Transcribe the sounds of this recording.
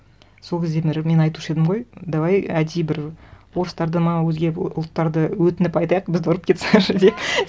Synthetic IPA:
sokʲezd̪emeɾme̞nɑjt̪uʃəe̞d̪ɪmʁo̞jd̪ɑʁɑjæd̪ejbɪɾwo̞ɾəst̪ɑɾd̪əməɴɑwɵzɡʲeʊlˠt̪ːɑɾd̪əwɵt̪ɪnɪpɑjt̪ɑjɑq̚bɪzd̪oɾəp̚kʲʰe̞t̪sʃd̪ep

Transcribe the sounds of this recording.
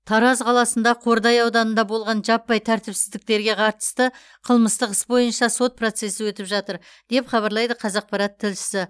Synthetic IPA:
t̪ʰɑɾɑzqʰɑlˠɑsənd̪ɑqʰo̞ɾd̪ɑjɑwd̪ɑnənd̪ɑbo̞lˠʁɑnʒɑpːɑjt̪ʰæɾt̪ɪpsɪzd̪ɪk̚t̪e̞ɾɡʲe̞qʰɑɾt̪ə̥st̪ə | qʰəlˠməst̪əqəsbo̞jənʃɑso̞t̪̚pro̞t̪se̞sɪwɵt̪ɪpʒɑt̪əɾ | d̪̥e̞pχɑβɑɾlˠɑjd̪əqʰɑzɑq̚pɑɾɑt̪ʰːɪlʃɪ̥sɪ

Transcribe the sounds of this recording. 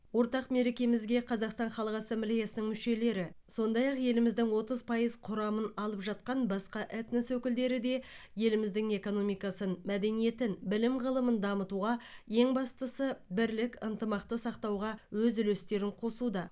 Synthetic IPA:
wo̞ɾt̪ɑqme̞ɾe̞kʲe̞mɪzɡʲe̞qʰɑzɑqst̪ɑnχɑlˠəʁɑsemblijɑsənəŋmʏʃe̞le̞ɾɪso̞nd̪ɑjɑqje̞lɪmɪzd̪ɪŋwo̞t̪əzpʰɑjəzqʰʊɾɑmənɑlˠəpʒɑt̪̚qɑnbɑsqɑʔæt̪nəswɵkʲɪld̪e̞ɾɪd̪e̞je̞lɪmɪzd̪ɪŋe̞ko̞no̞mijkɑsənmæd̪e̞nije̞t̪ɪnbɪlɪmʁəlˠəmənd̪ɑmət̪uʁɑje̞ŋbɑst̪əsəbɪɾlɪkʲənt̪əmɑq̚t̪əsɑqt̪ɑwʁɑwɵzʏlest̪e̞ɾɪɴqʰo̞sud̪ɑ

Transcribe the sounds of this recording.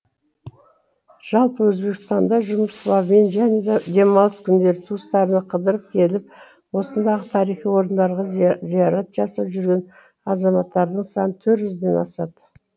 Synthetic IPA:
ʒ̥ɑlˠpəwɵzbe̞kst̪ɑnd̪ɑʒʊməslˠɑbme̞nʒæned̪e̞mɑlˠəskʲʰʏnd̪e̞ɾɪt̪ʰuəst̪ɑɾənəqʰəd̪əɾəp̚kʲʰe̞lɪp̚ | wo̞sənd̪ɑʁət̪ʰɑɾijχijwo̞ɾənd̪ɑɾʁɑzijɑɾɑt̪ʒ̥ɑsɑpʒʏɾɡʲe̞n | ɑzɑmɑt̪ːɑɾd̪əɴsɑnət̪ʰɵɾt̪ʒʏzd̪e̞nɑ̰sɑd̪

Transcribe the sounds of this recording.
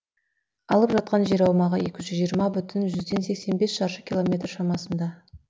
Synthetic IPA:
ɑlˠəpʒɑt̪̚qɑnʒe̞ɾɑwmɑʁəje̞kʲɪʒʏzʒijəɾmɑbʏt̪ʰɪnʒʏzd̪e̞nse̞kse̞nbe̞sʃɑɾʃəkʲilˠo̞mʲe̞t̪rʃɑmɑsənd̪ɑ

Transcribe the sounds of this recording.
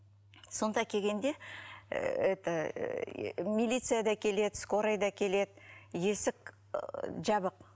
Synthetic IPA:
so̞nd̪ɑkʲʰe̞ɡʲe̞nd̪e̞ | et̪ɪ | mʲilʲijt̪sɨjad̪ɑkʲʰe̞le̞d̪ɪskoɾajd̪ɑkʲʰe̞le̞d̪ɪje̞sɪk̚ | ʒɑbəq

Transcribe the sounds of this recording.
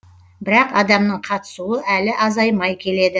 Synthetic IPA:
bɪɾɑqɑd̪ɑmnəɴqʰɑt̪ə̥suəʔælɪʔɑzɑjmɑjkʲʰe̞le̞d̪ɪ

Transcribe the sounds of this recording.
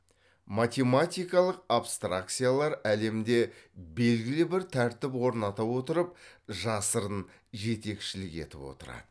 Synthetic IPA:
mat̪ʲe̞mat̪ʲijkɑlˠəqapst̪ɾa̰kt̪sɨjalˠɑɾæle̞md̪e̞be̞lɡʲɪlɪbɪɾt̪ʰæɾt̪ɪpwo̞ɾnɑt̪ɑwo̞t̪əɾəpʒɑsəɾən | ʒe̞t̪e̞kʃɪlɪke̞̰t̪ɪ̰pwo̞̰t̪əɾɑ̰d̪̥ə

